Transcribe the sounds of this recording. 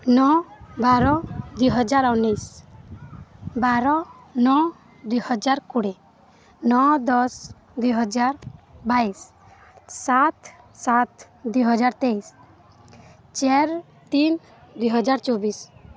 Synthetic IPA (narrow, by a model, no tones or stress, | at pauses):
nɔbaɾɔd̪uɦɔd͡ʒaɾɔnːijs | baɾɔ | nɔ | d̪ujhɔd͡ʒaɾkuɽe | nɔd̪ɔs | d̪ujɦɔd͡ʒaɾbaisː | at̪ | sat̪ | d̪ujɦɔd͡ʒaɾt̪ejs | t͡ʃɛɾ | t̪in | d̪ujɦɔd͡ʒaɾt͡ʃɔbis